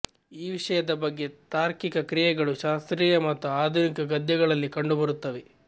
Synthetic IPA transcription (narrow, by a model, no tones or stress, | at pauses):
iːʋiʂɐjɐd̪ɐbɐɡːe̞t̪aːɾkikɐkɾijɛɡɐɭuʃaːst̪ɾiːjɐmɐt̪ːuaːd̪ʱunikɐɡɐd̪jɛɡɐɭɐlːikɐɳɖubɐɾut̪ːɐʋe